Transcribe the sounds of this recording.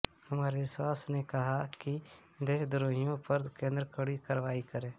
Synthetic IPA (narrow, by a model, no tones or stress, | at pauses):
həmaːɾeʋɪswaːsnekɐɦaki | d̪eːʃd̪ʊɾoːɦɪjõpəɾkẽːnd̪ɾəkəɽikəɾʋaːikəɾẽː